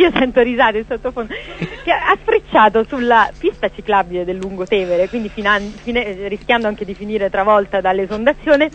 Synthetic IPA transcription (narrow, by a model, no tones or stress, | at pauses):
iːosɛnt̪oɾizaːt̪oinsot̪ːofond̪keasfɾit͡ʃːaːt̪osulːapist̪at͡ʃiklabiled̪elːuŋɡot̪ɛːveɾekwind̪ifinanfinerisk̟jand̪oaŋked̪ifiniːɾet̪ɾavɔlt̪ad̪alːezond̪at̪sːjoːne